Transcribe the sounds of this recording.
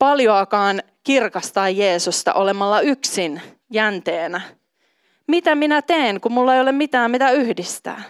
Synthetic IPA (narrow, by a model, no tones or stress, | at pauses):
pɑljoɑkɑːn | kirkɑst̪ɑːjjeːsust̪ɑ̰ʔo̞lemɑlːɑyksin | jænt̪eːnæ | mit̪æminæt̪eːŋkummulːɑejolemmit̪æːmit̪æyhdist̪æ̰ː